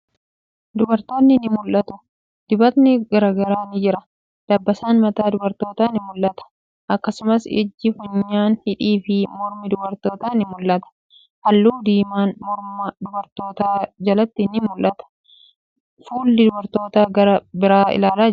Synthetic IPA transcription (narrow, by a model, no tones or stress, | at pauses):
d̪ʊbɐɾt̪o̞ːnːɪnɪmʊlʔɐt̪ʊ | d̪̥ɪbɐt̪nɪɡɐɾaːɡɐɾaːnɪd͡ʒɪɾɐ | d̪̥ɐbːɐsaːnmɐt̪aːd̪ʊbɐɾt̪o̞ːt̪aːnɪmʊlʔɐt̪ɐ̥ | ʔɐkːɐsʊmɐsɪ̰d͡ʒːɪhʊɲːaːnhɪᶑiːfɪmɔɾmɪd̪ʊbɐɾt̪oːt̪aːnɪmʊlʔɐt̪ɐ̥ | hɐlːuːd̪iːmaːnmɔɾmɐd̪ʊbɐɾt̪o̞ːt̪aːd͡ʒɐlɐt̪ːɪnɪmʊlʔɐt̪ɐ̥ | fuːlːɪd̪ʊbɐɾt̪o̞ːt̪aːɡɐɾɐbɪɾaːɪ̰laːlaː